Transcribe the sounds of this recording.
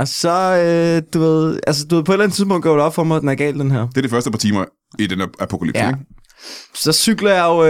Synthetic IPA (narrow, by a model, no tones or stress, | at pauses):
ɒ̽sɒ̽ød̥uʋe̝ð̞̰ˠælsəd̥ue̝ð̞̰ˠpɒ̽e̝ɾlæn̩t͡siðˠpɔ̽ŋ̰d̥ɒʊd̥ɒ̽b̥fɒmad̥enæɐɡ̥ɛ̰ːld̥enɦæɐ̰d̥e̝ɐdɾe̝fɶɐd̥əpʰɑ̈t͡sʰḭːmɐ | id̥enæpʰo̝kʰæly̰bseɡ | sɒ̽syɡ̥lɐjɑ̈ʊ